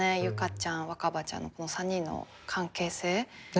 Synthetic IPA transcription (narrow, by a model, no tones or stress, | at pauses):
ejɯ̟kat͡ɕãɰ̃βakabat͡ɕã̰nːo̰ko̞no̞sãɲ̟ːĩnːo̰ | kʰãŋke̞ːse̞ː